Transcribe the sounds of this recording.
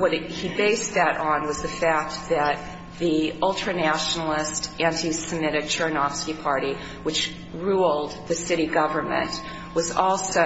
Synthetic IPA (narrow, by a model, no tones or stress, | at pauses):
wʌɾibeɪsðɨɾn̩wʌzðɨfæk̚t̚ðɨt̪̚ | ðiɔlˠtʰɹ̥ɨnæʃnl̩ˠɪstʔæ̃ntʰisɨmɪɾɨk̚t͡ʃʰə˞nɑfskipʰɑɹɾi | wɨt͡ʃ | ɹulˠd̪̚ðɨsɪɾiɡʌvə˞mɨ̰̃nʔ | wʌzɔlˠso